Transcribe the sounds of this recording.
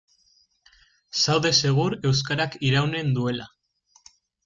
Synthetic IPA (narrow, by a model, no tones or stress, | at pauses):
sawðe̞se̞ɣ̞uɾe̞ws̬kaɾakiɾawne̞nd̪ue̞la̰